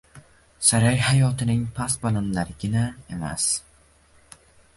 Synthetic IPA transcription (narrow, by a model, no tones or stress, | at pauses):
saɾajhajɒt̪ʰɪnɪŋpʰasbananlaɾɪɡʲɪnae̞ma̰s